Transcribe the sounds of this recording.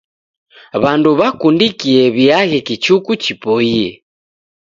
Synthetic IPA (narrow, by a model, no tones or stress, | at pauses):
βanduβakundikiɛβiaɣɛkit͡ʃukut͡ʃipoiɛ